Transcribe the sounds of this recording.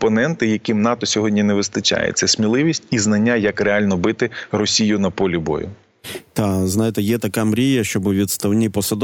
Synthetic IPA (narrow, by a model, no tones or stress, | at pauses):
pɔnɛnt̪ɪjɐkimnɑt̪ɔsʲɔɦɔdʲnʲineʋɪst̪ɐt͡ʃa̰jḛt͡sʲːɐsʲmʲilˠɪʋʲisʲtʲiznɐnʲːajɐkreɑlʲnɔbɪt̪ɪrɔsʲijʊnɐpɔlʲibɔ̰jʊ̰ | t̪aznɑjɪt̪ɛjɛt̪ɐkamɾʲijɐʃt͡ʃɔbʊʋʲit̪st̪ɐwnʲipɔsɐd̪